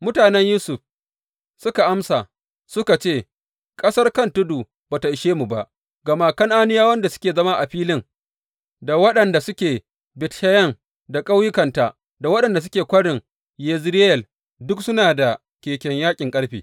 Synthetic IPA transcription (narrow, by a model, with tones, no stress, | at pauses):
mʊ˦taː˨nɛ˦ɲjuː˦sʊ˨ɸ | sʊ˦ka˨ʔa˦msa˨ | sʊ˦ka˨t͡ʃeː˦˨ | kʼɐ˦sɐ˦rkɐ˦ntʊ˦duː˨ | baː˨ta˨ʔɪ˨ʃeː˦mu˨ba˦ʔ | ɡɐ˨ma˦kɐ˦ŋʔa˦nɪ˦jaː˦wɐ˦nda˨sʊ̥˦kʲeː˨zɐ˦ma˦ʔa˨ɸiː˦lɪ˦ŋ | da˨wɐ˦ɗɐ˨nda˨sʊ˦kʲeː˨ | bɪ˨tʃɐ˦jɐ˦ŋ | da˨kʼa˦wjɪ˦kɐ˨nta˨ | da˨wɐ˦ɗɐ˨nda˨s̬ʊ˦kʲeː˨kʷɐ˦ɽɪ˨ŋ | jɛ˨zɾɪ˦jɛ˨l | dʊ˦ksʊ˦naː˨da˨ | kʲeː˨kʲɛ˨ɲjaː˦kʲʼɪ˨ŋkʼɐ˦ɽɸḭː˨